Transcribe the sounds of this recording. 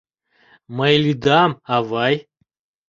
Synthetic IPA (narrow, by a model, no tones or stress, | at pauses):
mɐjlʲid̪amavaj